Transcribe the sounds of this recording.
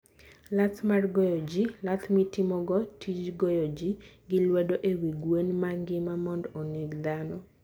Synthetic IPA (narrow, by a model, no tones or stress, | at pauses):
lat̪marɡɔjɔd͡ʒilat̪ʰmitɪmɔɡɔtʰid͡ʒɡɔjɔd͡ʒiɡɪlwɛdoʔewiɡwenmaŋɡɪmamɔndɔniɡd̪anɔ